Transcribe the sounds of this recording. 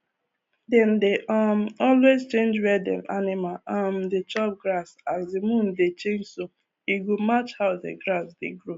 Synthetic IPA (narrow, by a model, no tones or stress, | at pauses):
dɛ̃ndeʔɔmɔlwezt͡ʃẽnd͡ʒɹɛdɛ̰̃mʔanɪmalamdet͡ʃɔp̚ɡɾasazdemũndet͡ʃẽnd͡ʒso | iɡomat͡ʃhaʊðḛɡɹasdḛɡɹo